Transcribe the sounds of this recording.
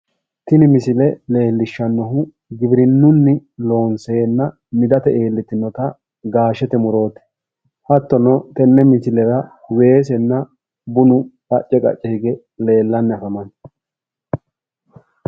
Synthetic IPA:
t̪ɪnɪmɪsɪlɛle̞ːlːɪʃːɐnːɔɦʊ | ɡɪbɾɪnːʊnːɪlo̞ːnsɛːnːɐ | mɪd̪ɐt̪ɛʔeːlːɪt̪ːɪnːɔt̪ɐ | ɡaːʃɛt̪ɛmʊɾo̞ːt̪ɛ̥ | hɐt̪ːɔnɔt̪ɛnːɛmɪsɪlɛɾɐwe̞ːs̬ɛnːɐ | bʊnʊkʼɐt͡ʃʼːɛkʼɐ̰t͡ʃʼːɛhɪɡɛ | le̞ːlːɐnːɪɐfɐmɐn

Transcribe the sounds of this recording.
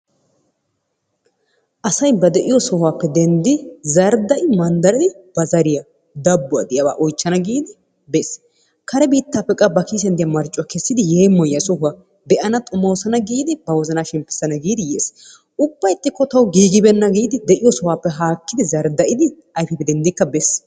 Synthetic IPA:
ʔɐsɐjbɐd̪ɛʔɪjɔsɔhʊaːpːɛd̪ɛnd̪ɪzɐɾd̪ɐʔɪmɐnd̪ɐɾɪd̪ɪb̥ɐzɐɾɪjɐ | d̪ɐbːʊɐ̰d̪ɪjɐwa̰ːʔɔjt͡ʃːɐnɐɡiːd̪ɪ | bes | kɐɾɛbiːt̪ːaːpːɛkʼːɐbɐkiːs̬ɛnd̪ɪjɐmɐɾt͡ʃʼːɔkɛsːɪd̪ɪjeːmːɔjːɐsɔɦʊɐ | d̪ɛʔɐnɐt̪ʼʊmoːsɐnɐɡiːd̪ɪb̥ɐwɔzɐnaːʃɪmpːɪ̥sːɐnɐɡiːd̪ɪjḛːs | ʔʊbːɐjt̪ʼːɪkːɔt̪ɐwɡiːɡɪbɛnːɐɡiːd̪ɪd̪ɛʔɪjɔsɔhwaːpːɛɦaːkːɪd̪ɪzɐɾd̪ɐʔɪd̪ɪ | ɐjfɛpɛd̪ɛnd̪ɪkːɐbɛs

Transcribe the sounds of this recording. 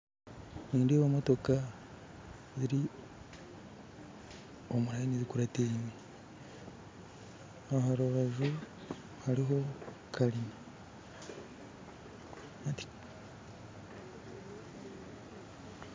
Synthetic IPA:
niːndeβomo̞to̞ka | ziɾi | omuɾajinizikuɾateine | aɦaɾoβazu | haɾiɦo̞ | kʰalina | ati̥

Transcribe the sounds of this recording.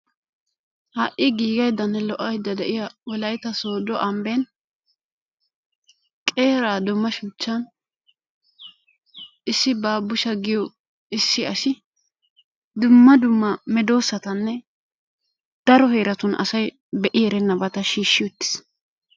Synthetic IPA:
hɐːʔʔːɪɡiːɡɐjd̪ːɐnːɛlɔʔːɐjd̪ːɐd̪ɛʔɪjawɔlɐjt̪ɐsoːd̪ɔʔɐmben | kʼe̞ːɾaːd̪ʊmːɐʃuːt͡ʃːɐn | ɪsːɪbaːbʊʃɐɡɪjɔ | ɪsːɪɐsɪ | d̪ʊmːɐd̪ʊmːɐmɛd̪o̞ːsːɐt̪ɐnːɛ | d̪̥ɐɾɔheːɾɐt̪ʊnʔɐ̰sɐj | bɛʔɪɛɾɛnːɐbɐt̪ɐʃiːʃːɪjɔt̪ːɪ̥s

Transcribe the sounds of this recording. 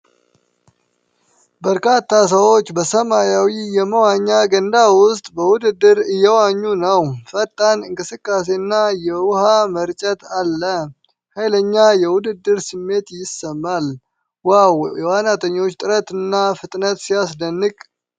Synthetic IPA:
bəɾkʰat̪ʰːas̬əwo̞t͡ʃːbəsəmajawijɛməwaɲːaɡənd̪awʊst̪ʼbəwʊd̪ɨd̪ːɨɾɨjːɛwaɲːunəwfət̪ʼːanɨŋkʼɨsɨkʼːas̬e̞nːajɛwʊhaməɾt͡ʃʼət̪alːə | hajləɲːajɛwʊd̪ɨd̪ːɨɾsɨmːe̞t̪jɪsəmːal | wawjɛwanat̪ʰʼəɲːo̞t͡ʃːt̪ʼɨɾət̪ɨnːafɨt̪ʼnət̪sijasd̪ənːɨkʼ

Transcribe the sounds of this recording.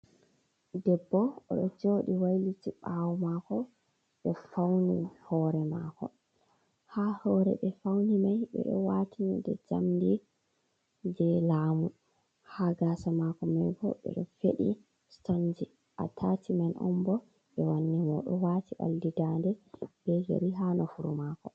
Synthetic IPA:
dɛbːɔɔɗɔd͡ʒoɗiwajlitiɓawmakɔ | ɓɛfawnihɔɾɛmaːkɔ̰ | hahɔɾɛ̰ɓɛfawnimajɓɛ̰ɗɔ̰watʰinidɛd͡ʒamdi | d͡ʒɛlaːmu | haɡaːsamakɔmajɡɔ̰ɓɛ̰ɗɔfeɗi | stond͡ʒi | ʔatʰatʰimanʔɔ̰mbɔ | ɓɛwanːimɔ̰ɗɔwatiʔa̰ldidandɛb̥ɛɡḛɾiɦanɔfuɾṵmakɔ

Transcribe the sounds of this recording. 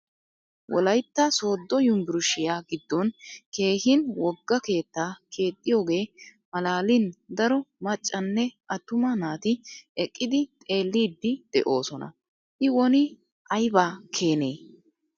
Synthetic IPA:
wʔɔ̰lɐjt̪ːɐso̞ːd̪ːɔjʊmbɪɾʊʃɪjaːɡɪd̪ːɔnke̞ːhɪnwɔɡːɐke̞ːt̪ːaːkʰe̞ːt̪ʼːɪjo̞ːɡe̞ːmɐlaːlɪnd̪ɐɾɔmɐt͡ʃʼːɐnːɛʔɐt̪ʊmɐnaːt̪ɪɛkʼːɪd̪ɪt̪ʼe̞ːlːiːd̪ːɪd̪̥ɛ̰ʔo̞̰ːsɔnɐ̰ | ʔɪwɔnɪ | ɐjbaːkʰe̞ːneː

